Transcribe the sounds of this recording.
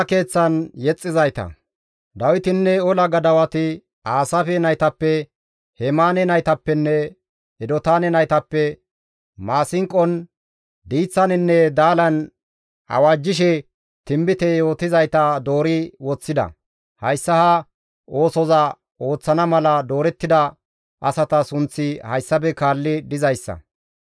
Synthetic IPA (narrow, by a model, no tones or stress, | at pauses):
ke̞ːt͡sːɐnjɛt͡sʼːɪzɐjt̪ɐ̰ | d̪ɐwɪt̪ɪnːɛɔlɐɡɐd̪ɐwɐt̪ɪ | aːsɐfɛnɐjt̪ɐpːɛ | hɛmaːnɛnɐjt̪ɐpːɛnːɛ | ɛd̪ɔt̪aːnɛnɐjt̪ɐpːɛ | maːsɪŋkʼːɔn | d̪iːt͡sːɐnɪnːɛd̪aːlɐn | ɐ̰waːd͡ʒːɪʃɛ | t̪ɪmbɪt̪ɛjo̞ːt̪ɪzɐjt̪ɐd̪o̞ːɾɪwɔt͡sːɪd̪ɐ̰ | hɐjsːɐhɐ | o̞ːsɔzɐ | o̞ːt͡sːɐnɐmɐlɐd̪o̞ːɾɛt̪ːɪd̪ɐ | ʔɐsɐt̪ɐsʊnt͡sːɪhɐjsːɐbɛkaːlːɪd̪ɪzɐjsːɐ̰